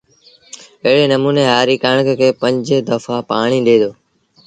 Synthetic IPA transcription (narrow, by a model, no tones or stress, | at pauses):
əɦɪɽeːnəmuːneːɦaːɾiːkaɳ̃əkkʰeːpə̃ɲd͡ʒd̪əfaːpaːɳ̃iːɗeːd̪oː